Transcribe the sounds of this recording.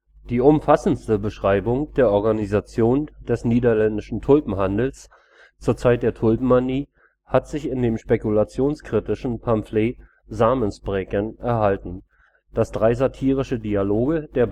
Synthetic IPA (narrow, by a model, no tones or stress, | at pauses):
d̥iːʊmfasn̩stəbəʃʁ̥aɪbʊŋd̥eːɐʔɔɐɡanizat͡sjoːnd̥ɛsniːdɐlɛndɪʃn̩tʰʊlpm̩ɦandl̩s | t͡suːɐt͡saɪt̚d̥eːɐtʰʊlpm̩ːaniː | hatz̥ɪçɪndeːmʃpekulat͡sjoːnskʁ̥itɪʃn̩pʰamfleː | zaːmənsb̥ʁɛkənʔɛɐhaltn̩ | d̥asd̥ʁaɪzatʰiːʁ̞ɪʃədialoːɡəd̥eːɐ